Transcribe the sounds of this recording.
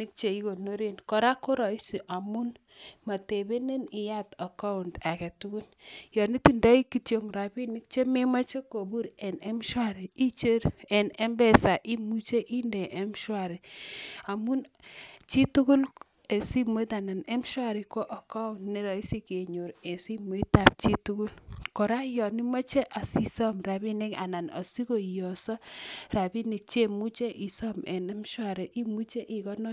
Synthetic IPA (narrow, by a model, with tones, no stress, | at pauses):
ni˦k̚t͡ʃe˨i˦ko˨no˦ɾe˦nkɔ˨ɾa˦ko˦ɾɔ˨i˦si˨ʔa˨mu˦n | ma˨te˨be˦ne˦ni˨ja˦tɔ˨ka˦u˨nda˨kɛ˨tu˦ku˦ljɔ˨ni˦ti˨ndɔ˦i˦ki˨tjo˨ŋɾa˨bi˦ni˦k̚t͡ʃe˦me˦ma˦t͡ʃe˦ko˨bu˦ɾɛ˨nɛ˦mʃwa˦˨ɾi˨i˦t͡ʃe˦ɾɛ˨ne˦mbɛ˦˨sa˨ʔi˦mu˦t͡ʃe˦ʔi˦ndɛ˨ʔe˦m˦ʃwa˨ɾi˨a˨mu˦nt͡ʃi˦tu˦ku˦l | e˨si˦mo˦ta˨na˨ne˦m˦ʃwa˦˨ɾi˨ko˦ʔɔ˨ka˦˨ne˦ɾɔ˨i˦si˦ke˨ɲo˨ɾe˨si˦mo˦i˦ta˨p̚t͡ʃi˦tu˦ku˦lkɔ˨ɾa˦jɔ˨ni˦ma˦t͡ʃe˦ʔa˨si˦˨sɔ˦mra˨bi˦ne˦ka̰˨na˨nɔ̰˨si˦ko˨jɔ˨sɔ˦ra˨bi˦ni˨k̚t͡ʃe˦mu˦t͡ʃe˦ʔi˨sɔ˦mɛ̰˨ne˦mʃwa˦˨ɾɛ˨ʔi˦mu˦t͡ʃe˦ʔi˨kɔ˦nɔ˦